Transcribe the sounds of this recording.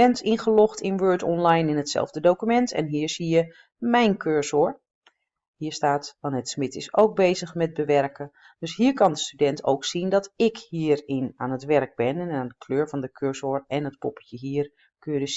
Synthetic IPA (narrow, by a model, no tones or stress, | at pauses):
ɛntɪnχəlɔxtʰɪnʋøːtɔnlajnɪnətsɛ̰lˠvdədowkymɛntɛ̰nɦiːɹzijə | mɛjnkʰøɹzoːɹ | hiːəstaːtʋɑnətsmɪtɪso̰wk̚bejzəxmɛt̚bəʋɛrkə | d̥øshiːəɹkɑndəstydɛntʰo̰wksindɔtɪkhiːərɪnaːnətʋɛrɡ̚bɪnɛnaːndəkʰløːɹvɑndəkʰøɹsoɹɛnət̚pɔpə̥jəɦiːər | køjədəs